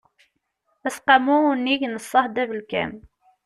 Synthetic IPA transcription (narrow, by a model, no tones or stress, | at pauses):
æsqɑmunːiʝnəsˤːɑhd̪ævəlkæ̰m